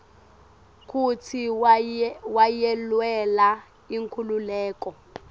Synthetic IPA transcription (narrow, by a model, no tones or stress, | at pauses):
k̬utʰi | wajɛlwɛla | iŋkʰululɛːkɔ